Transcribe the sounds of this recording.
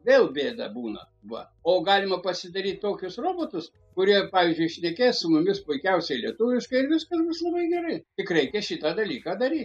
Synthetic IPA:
ʋʲeːlˠbʲeːd̪ɐ̰buːnɐ̰ | ʋɐ̰ | oːɡɑːlʲɪmɐpɐsʲɪd̪ɐɾʲiːt̪ʲt̪oːkʲʊsroːboːt̪ʊs | kʊɾʲiɛpɑːʋʲiːzʲd͡ʒʲʊɪʃʲnʲɛkʲeːssʊmʊmʲɪspʊɪkʲɛʊsʲɛlʲiɛt̪ʊʋʲɪʃkɐɪɪɾʋʲɪskɐsbʊslˠɐbɐɪɡʲɛɾɐɪtʲɪkrʲɛɪkʲɛʃʲɪt̪ɑd̪ɐlʲiːkɑːd̪ɐɾʲiːt̪

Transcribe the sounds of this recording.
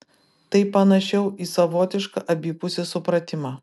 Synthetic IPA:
t̪ɐɪpɐnɐʃʲɛʊiːsɐʋoːt̪ʲɪʃkɐʔɐbʲiːpʊsʲeːsʊpɾɐt̪ʲɪmɑː

